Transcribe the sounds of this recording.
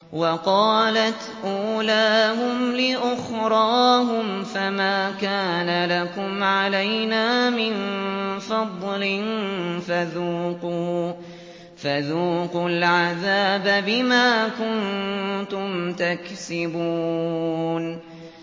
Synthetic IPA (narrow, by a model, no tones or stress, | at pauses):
wɑqɑːlat̪ | ʔuːlaːhʊmlɪʔʊxɾˤɑːhʊmfamaːkaːnalakʊmʕaalajnaːmɪnfɑd̪ˤlɪnfaðuːquː | faðuːqʊlʕaðaːbbɪmaːkʊnt̪ʊmt̪aksɪbuː | n